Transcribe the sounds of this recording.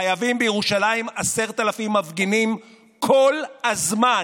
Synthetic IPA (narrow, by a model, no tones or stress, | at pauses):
ajavimbejeʁuʃalaimase̞ʁt̪alafimːavɡinim | kʰo̞lhazma